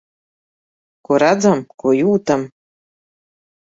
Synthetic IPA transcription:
kuɾad͡zamkojuːt̪am

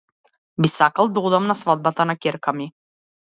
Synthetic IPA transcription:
bisakalˠd̪ɔd̪amnasvad̪̚bat̪anakʲɛɾkami

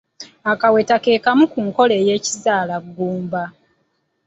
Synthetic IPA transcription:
akawe̞take̞ːkamukuŋko̞le̞je̞ːcizaːlaɡːuːmba

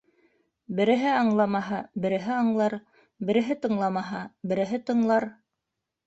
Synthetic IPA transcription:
bɘ̆ɾɘ̆ɦɘɑɴlˠɑmɑɦɑbɘ̆ɾɘ̆ɦɘɑɴlˠɑɾ | bɘ̆ɾɘ̆ɦɘt̪ɤ̆ɴlˠɑmɑɦɑbɘ̆ɾɘ̆ɦɘt̪ɤ̆ɴlˠɑɾ

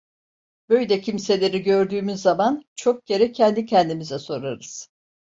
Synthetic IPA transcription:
b̥ø̞jd̪ɛcʰimse̞lʲe̞ɾiɟø̞ɾd̪yːmyzːamant͡ʃʰo̞k̚ɟe̞ɾɛcʰɛnd̪icʰɛnd̪imizɛso̞ɾaɾɯz̥

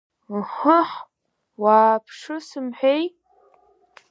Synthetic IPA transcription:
ħəħ | waːpʰʂɨsɨmħʷᶣej

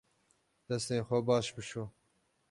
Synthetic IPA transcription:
d̪̥ɐst̪eːxʷɐbɑːʃbɨʃoː

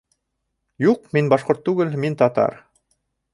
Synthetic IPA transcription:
juq̚minbɑʃqoɾt̪ːʉɡɘlmint̪ɑt̪ɑ̰ɾ

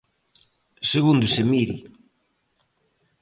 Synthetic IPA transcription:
seɣund̪ʊsemiɾḭ

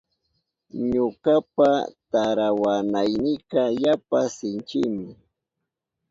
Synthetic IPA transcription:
ɲʊkapat̪aɾawanajnɪkɑjapasɪnt͡ʃɪmɪ

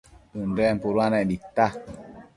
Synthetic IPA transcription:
ɨndɛmpuɾuanɛʔdit̪a

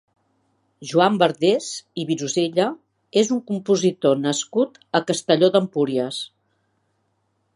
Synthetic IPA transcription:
ʒuambəɾðeziβizuzeʎə | ezuŋkumpuzit̪onəskut̪ | əkəst̪əʎod̪əmpuɾiəs

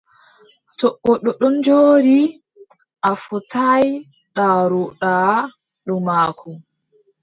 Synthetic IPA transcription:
tɔɓːɔɗɔɗɔnd͡ʒoːɾi | ʔafɔtaj | ɗaːɾɔɗaː | ɗɔmaːkʰɔ

